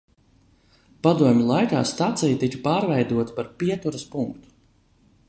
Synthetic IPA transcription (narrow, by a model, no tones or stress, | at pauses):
pad̪uɔmʲulˠajka̰ːst̪at̪sijt̪ikḁpaːɾvɛjd̪uɔt̪ḁpaɾpʲiɛt̪uɾɐspuŋkt̪u̥